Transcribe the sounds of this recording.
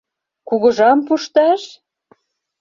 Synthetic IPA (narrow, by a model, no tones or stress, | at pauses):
kuɣɤ̆ʒɑmpuʃt̪ɑʃ